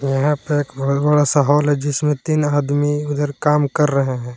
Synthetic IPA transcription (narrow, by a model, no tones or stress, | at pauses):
jɐɦãpeɾeːkbɐɦʊt̪bɐɽasɐɦaːlɦɛd͡ʒɪsmẽt̪iːnaːd̪miʊd̪ʱəɾkaːmkɐɾːɐɦeɦɛ̃ː